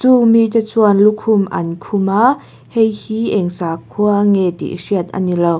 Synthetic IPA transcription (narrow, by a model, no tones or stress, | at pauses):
t͡sumitət͡suənlukʰumʔɐ̰nkʰumaʔ | hejhiʔɛŋsaːkʰuəŋet̪ḭʔsiət̪̚ʔa̰nilow